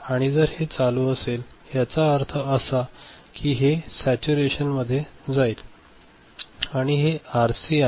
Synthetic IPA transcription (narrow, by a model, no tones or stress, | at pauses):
aɽ̃id͡zəɾhet͡saluəselɦjat͡saəɾt̪ʰəəsakʰiːɦesæt͡ɕuɾeɕənməd̪ʱːjed͡zail | aɽ̃iɦeaɾsi